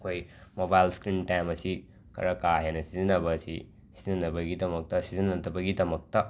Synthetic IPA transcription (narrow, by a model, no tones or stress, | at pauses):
kʰojmobajlskɾintajmɐsi | kʰɐ̰ɾɐkaɦenɐsizinɐβɐsi | sizinɐbɐɡidɐmɐk̚tɐsizinɐtɐbɐɡidɐmɐk̚tɐ